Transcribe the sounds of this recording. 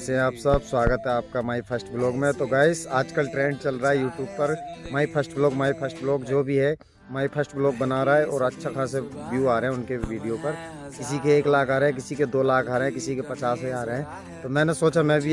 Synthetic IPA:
sẽaːpsəbswaːɡət̪ɦɛaːp̚kamaːipʰɐsʈbloːkmẽt̪oɡaːɪsaːd͡ʒkəlʈɾẽːɳɖt͡ʃɐlɾaːɦɛjuːʈjuːb̚pɐɾmaːipʰəsʈbloːkmaːipʰəsʈbloːkd͡ʒoːbʱiɦɛ | maːipʰəsʈbloːk̚bɐnaːɾaaɦɛʔɔːɾɐtːʃʰakʰãseʋjuːaːɾeɦɛ̃ʊnkeʋiːɖijopɐɾ | kɪsikeːklaːkʰaːɾeɦɛ̃k̬ɪsiked̪oːlaːkʰaːɾeɦɛ̃kɪsikepɐt͡ʃaːsɦaːɾeɦɛ̃ː | t̪omɛ̃ːnesoːt͡ʃamɛ̃ːbʱi

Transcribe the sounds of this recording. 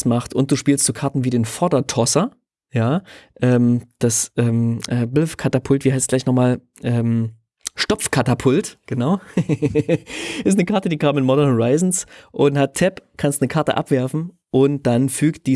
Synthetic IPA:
smaχtʊnt̚d̥uːʃpiːlstz̥oːkʰaɐtn̩viːɾeːnfɔɐdɐtʰɔsɐ | jaːʔɛːmd̥asʔɛːmʔɛːbɪlfkʰatapʰʊltv̥iːhaɪstsɡ̥laɪçnɔχmaːl | ʔɛːm | ʃtɔp͡fkʰatapʰʊltɡ̥ənaʊ | ʔɪstnəkʰaɐtədiːkʰaːmɪnmɔɾɐnhɔʁaɪzn̩sʔʊnthatʰːɛpkʰanstnəkʰaɐtə̰ʔa̰pv̥ɛɐfn̩ | ʔʊnt̚d̥anfyːkt̚d̥iː

